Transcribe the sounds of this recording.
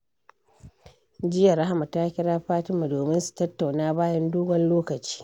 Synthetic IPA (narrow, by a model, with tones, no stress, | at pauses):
d͡ʒɪ˦jɐ˨ɾa˦ha˦ma˨ta˦kʲɪ˦ɽaː˦ɸaː˦tɪ˦ma˨doː˨mɪ˦nsu̥˨tɐ˦tːa˨wnaː˦baː˦jɐ˦nduː˦ɡɔ˦nloː˦kɐ˨t͡ʃi̥ː˦